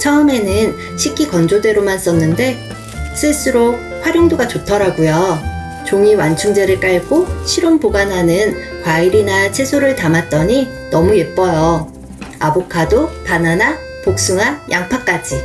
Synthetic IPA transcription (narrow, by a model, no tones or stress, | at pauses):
t͡ɕʰʌɯme̞nɯn | ɕʰik͈ʰikʌnd͡ʑodwe̞ɾomans͈ʌnːɯnde̞ | sʰɯs͈ɯɾo | ɸwaɾjoŋdoɡat͡ɕotʰʌɾaɡojʌ | t͡ɕoŋiwant͡ɕʰuŋd͡ʑe̞ɾɯɭk͈aɭɡ͈oɕʰiɾompoɡanɦanɯn | kwaiɾinat͡ɕʰe̞sʰoɾɯɭtamat̚t͈ʌɲi | nʌmuje̞p͈ʌjʌ | abokʰadopanana | pok̚s͈uŋajaŋpʰak͈ad͡ʑi